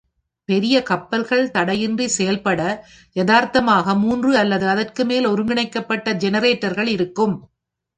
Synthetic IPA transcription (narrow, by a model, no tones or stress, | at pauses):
pɛɾɪjɐkɐpːɐlɣɐɭt̪ɐɽɐjɪndrisɛjɐlpɐɽɐ | jɐðaːɾt̪ɐmaːɣɐmuːndrɯɐlːɐðɯɐðɐrkɯmeːlɔɾɯŋɡɪɳɐɪkːɐpːɐʈːɐd͡ʒɛnɐɾeːʈːɐɾɣɐɭɪɾɯkːɯm